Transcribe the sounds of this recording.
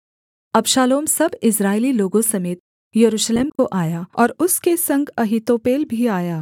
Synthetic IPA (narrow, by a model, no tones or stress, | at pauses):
ɐbʃaːloːmsɐbɪsɾaːɪliloːɡõsɐmeːt̪̚ | jɐɾuːʃleːmkoʔaːjaɔːɾʊskesɐ̃ŋɡɐɦit̪oːpeːlbʱiaːjaː